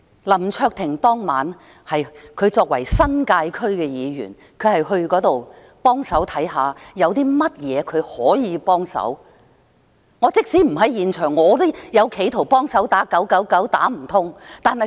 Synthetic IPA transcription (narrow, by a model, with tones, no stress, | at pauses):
lɐ˨˩mt͡ʃʰœː˧k̚t̪ʰɪ˨˩ŋt̪ɔː˥ŋma̰ː˨˥n | hɐ˨jkʰɵ˨˧ɥt͡sɔː˧k̚wɐ˨˩jsɐ˥nkaː˧jkʰɵ˥ɥkɛː˧jiː˨˧ɥy̰ː˨˩n | kʰɵ˨˧ɥhɐ˨jɦɵ˧ɥkɔː˨˧˥t̪o˨w | pɔː˥ŋsɐ˨˥wt̪ʰɐ˨˥jɦaː˨˧jɐ˨˧wt̪iː˥mɐ˥t̚jɛː˨˧kʰɵ˨˧ɥhɔː˨˥jiː˨˧pɔː˥ŋsɐ̰˨˥w | ŋɔː˨˧˥t͡sɪ˥k̚siː˨˥m̩˨˩ɦɐ˨˥jjiː˨nt͡ʃʰœː˨˩ŋːɔː˨˧t̪jɐ˨˧wkʰe˨˧jt̪ʰo˨˩wpɔː˥ŋsɐ˨˥wt̪aː˨˥kɐ˨˥wkɐ˨˥wkɐ˨˥wt̪a̰ː˨˥m̩˨˩t̪ʰʊ˥ŋt̪aː˨nhɐ˨